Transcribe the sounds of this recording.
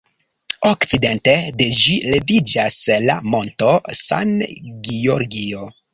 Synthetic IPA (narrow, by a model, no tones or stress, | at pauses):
okt͡side̞nte̞de̞d͡ʒile̞vid͡ʒasla̰mo̞nto̞sa̰nɡioɾɡio